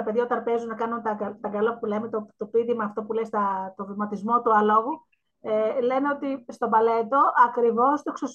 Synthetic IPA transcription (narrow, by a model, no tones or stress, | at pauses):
ɐpeðjaɐot̪ɐɾpe̞zunnɐkɐnunt̪ɐɡɐt̪ɐɡɐlopulemet̪ot̪opiðimɐːft̪o̞pulest̪ɐt̪o̞vimɐt̪izmo̞t̪uɐlo̞ɣu | ele̞neo̞t̪ist̪o̞bɐle̞t̪o̞ʔɐkɾivo̞st̪oeksos